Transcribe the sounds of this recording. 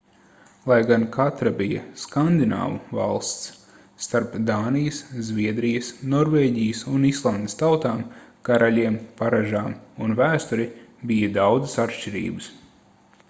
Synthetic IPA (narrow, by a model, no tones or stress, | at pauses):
lˠajɡankʰat̪ɾabijɐ̰skand̪ina̰ːvuva̰lˠst̪sː | t̪aɾpd̪aːnijəszvʲiɛd̪ɾijəsnɔɾvɛːɟʲijəsunislˠand̪ɪst̪awt̪aːmkaɾalʲiɛmpaɾaʒaːmunvæːst̪uɾibijəd̪awd̪zə̥sat̪ʃt͡ʃiɾḭːbəs